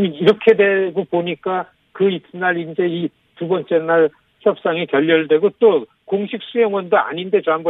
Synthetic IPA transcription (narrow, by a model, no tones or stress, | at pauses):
miɾʌkʰe̞dwe̞ɡopoɲik͈a | kɯinːaɾind͡ʑe̞i | tubʌnt͡ɕ͈e̞nːaɭ | çʰjʌp̚s͈aŋikjʌʎːʌɭdwe̞ɡot͈o | koŋɕʰik̚s͈ujʌŋwʌndoa̰ɲinde̞t͡ɕoamɡʌ